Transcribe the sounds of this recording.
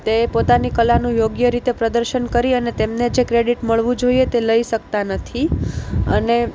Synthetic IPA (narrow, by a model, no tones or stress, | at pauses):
t̪epot̪anikəlanũjoɡjəɾit̪epɾəd̪əɾʃənkəɾiənet̪emned͡ʒekɾeɽiʈməɭʋũd͡ʒoijet̪eləiʃəkt̪anət̪ʰiəne